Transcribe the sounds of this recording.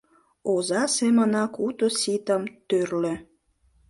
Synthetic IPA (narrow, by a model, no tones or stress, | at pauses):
ozɑsemənɑkut̪osit̪əmt̪ørlø